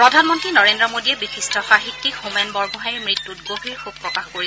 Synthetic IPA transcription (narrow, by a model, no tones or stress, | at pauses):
pɹɔdʱanmɔntɹinɔɹendɹɔmodiɛbixistɔxaɦitːikhumɛnbɔɹbɔɦaɹimɹitːutɡoɦiɹxub̚pːɹɔkaxkoɹi